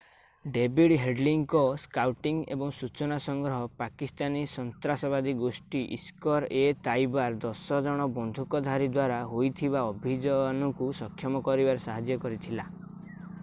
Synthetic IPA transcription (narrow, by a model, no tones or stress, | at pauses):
ɖebiɽɦeɖliŋkɔskawʈiŋḛbɔŋsut͡ʃɔnasɔŋɡɾɔɦɔpakist̪anisɔnt̪ɾasɔbad̪iɡosʈiʔḭskɔɾet̪ajbaɾd̪ɔsɔd͡ʒɔɽ̃ɔbɔnd̪ʱukɔd̪ʱaɾid̪waɾaɦojt̪ʰiβaɔbʱid͡ʒɔnɔkusɔkʰːjɔmɔkɔɾibaɾesaɦad͡ʒjɔkɔɾit̪ʰila